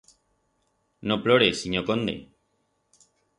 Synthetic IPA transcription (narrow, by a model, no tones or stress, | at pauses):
noploɾesiɲokond̪ḛ